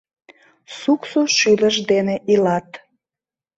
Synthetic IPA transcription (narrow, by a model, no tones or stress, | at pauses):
suksoʃyləʃd̪eneʔilɑt̪